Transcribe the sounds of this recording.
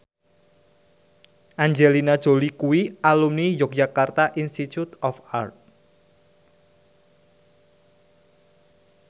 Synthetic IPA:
ʔaɲd͡ʒelinad̥ʒ̥o̤likuwialumnijɔk̚dd͡ʒakart̪aʔinst̪it̪ut̪ɔfart̪̚

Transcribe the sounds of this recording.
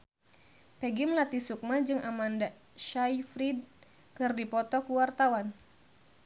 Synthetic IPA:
pɛɡimlat̪isuk̚mad͡ʒɨŋʔamanda | ʃajfɾid̚ | kɨrdipɔt̪ɔkuwart̪awan

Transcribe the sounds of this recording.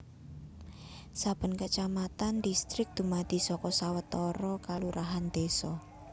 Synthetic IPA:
sab̥ə̤nkət͡ʃamat̪and̪ist̪ɾɪk̚d̪̥ṳmad̪̥i̤sɔkɔsawət̪ɔɾɔkaluɾaɦand̪̥esɔ

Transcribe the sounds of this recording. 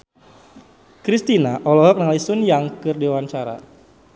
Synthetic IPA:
kɾist̪inaʔɔlɔɦɔk̚nəŋalaisʊnjaŋkɨrdiwaɲt͡ʃaɾa̰

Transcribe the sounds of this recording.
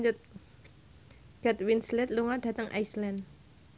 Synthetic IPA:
ʊt̪̚ | ɡ̥ɛt̪winslɛt̪̚luŋad̥ä̤t̪əŋʔa̰jslɛn

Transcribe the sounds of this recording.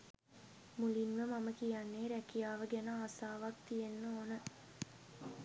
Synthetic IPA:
mulinʋəmaməkijanːeːɾækijaːʋəɡænəaːsaːʋak̚t̪ijenːoːnə

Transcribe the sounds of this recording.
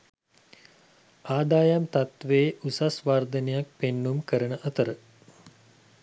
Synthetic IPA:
aːd̪aːjamt̪at̪ʋeːʔusasʋaːrd̪ənejak̚penːumkəɾənəʔət̪əɾə

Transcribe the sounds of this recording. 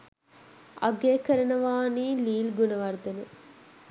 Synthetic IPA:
ɐ̰ɡeːkəɾɐnəʋaːniːliːlɡunəʋɐɾd̪ɐnə

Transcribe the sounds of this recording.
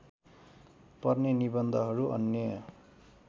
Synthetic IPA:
pʌrnenibʌnd̪ʱʌɦʌɾuʔʌ̰njʌjʌ

